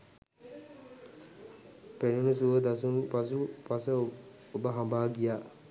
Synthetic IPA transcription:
penunusuʋəd̪asunpas̬upasə | obəɦambaːɡijaː

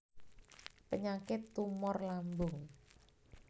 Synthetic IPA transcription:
pəɲakɪt̪ːumʊrlambʊŋ

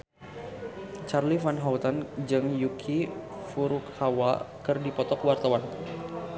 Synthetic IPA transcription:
t͡ʃarlifanɦaut̪and͡ʒɨŋjukʰifuɾukhawakɨrdipɔt̪ɔkəwart̪awan

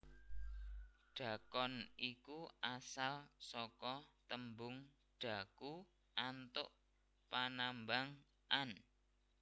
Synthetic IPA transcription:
ɖ̥a̤kɔnikuasalsɔkɔt̪əmbʊŋ | ɖ̥ä̤ku | ʔant̪ʊ̰ʔ | panambaŋ | ʔan

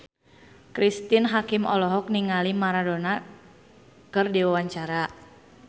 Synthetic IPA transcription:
kɾist̪inɦakimɔ̰lɔɦɔk̚niŋalimaɾadona | kɨrdiwawaɲt͡ʃaɾa

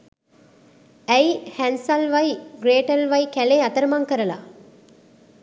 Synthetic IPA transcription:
ɛjhænsɐlʋɐjɡɾeːʈɐlʋɐjkæleːɐt̪ɐɾɐmɐŋkəɾəla̰

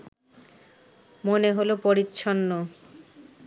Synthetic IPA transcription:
moneɦolopoɾitːɕʰɔnːo

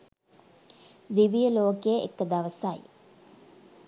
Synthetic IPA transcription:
d̪iʋijəloːkejəʔḛkːəd̪aʋəsaj̰

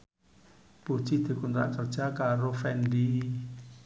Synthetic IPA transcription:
b̥ut͡ʃid̪e̤kund̪ɾa̰ʔkərd͡ʒakaɾofɛndi

